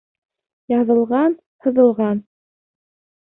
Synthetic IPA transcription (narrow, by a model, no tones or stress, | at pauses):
jɑðɤ̆lˠʁɑn | hɤ̆ðɤ̆lˠʁɑn